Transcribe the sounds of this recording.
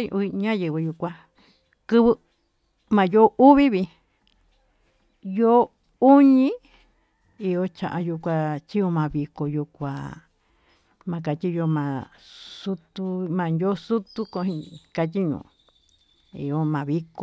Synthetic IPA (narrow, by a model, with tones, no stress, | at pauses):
ɲã˦jɨ˨βɨ˧ju˧kʷã˧ | kɨ˦βɨ˧ | mã˨jo˦ʔu˦βi˦βi˧ | jo˦ | u˦ɲĩ˦ | i˧jo˧t͡ʃã̰˨ʔa˧ju˧kʷa˧t͡ʃi˦jo˧mã˨˧βi˧ko˨ju˧kʷa˨ | mã˧ka˨t̪ʲi˦˧jo˧mã˨su˦t̪u˧mã˨˧ndʲo˦su˦t̪u˦ko˧˦hĩ˧ka˧t̪ʲi˦ɲṵ̃ː˨ | ḭ˨jo˧mã˨βi˧˦ko˧